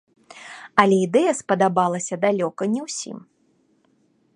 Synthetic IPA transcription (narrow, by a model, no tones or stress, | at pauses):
ɐlʲɛid̪ɛjɐspɐd̪abalˠɐsʲɐd̪alʲɔkɐnʲɛwsʲḭm